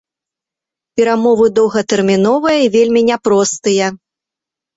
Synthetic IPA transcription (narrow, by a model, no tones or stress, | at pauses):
pʲɛɾamɔvɨd̪ɔwɣɐt̪ɛrmʲinɔvɐjɐivʲelʲmʲinʲɛpɾɔst̪ɨjɐ